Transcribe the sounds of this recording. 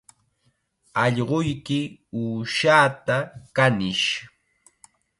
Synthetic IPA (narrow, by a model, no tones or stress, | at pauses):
ɑʎɢojkɪuːʃaːt̪akanɪʃ